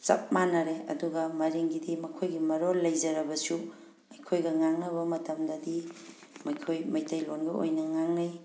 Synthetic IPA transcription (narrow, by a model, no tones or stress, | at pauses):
sɐ̰p̚manɐɾeɐ̰duɡɐmɐɾiŋɡidimɐkʰojɡimɐɾollːɐjzɐɾɐbɐsu | mɐjkʰojɡɐŋaŋnɐβɐmɐtɐmdɐdi | mɐjkʰojmɐjtɐjlonɡɐo̰jnɐŋaŋnaj